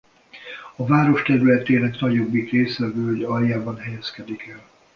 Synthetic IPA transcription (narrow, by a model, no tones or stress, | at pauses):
ɒvaːɾo̞ʃt̪ɛɾylɛt̪eːlɛknɒɟo̞bːit̪reːsvɛvøːoɟɒɾjaːbɒnɦɛjɛskɛd̪ikɛl